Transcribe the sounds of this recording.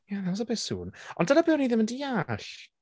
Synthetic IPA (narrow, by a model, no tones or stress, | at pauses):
janaws̬əbɪsṵːnɔndənabɪwniðɪməndiaɬ